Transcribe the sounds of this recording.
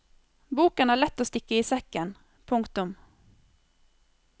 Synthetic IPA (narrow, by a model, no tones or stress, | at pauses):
buːkənæɭɛt̪ːɔst̪ɪkːaɪsɛkːən | pʰɵŋkt̪ɵm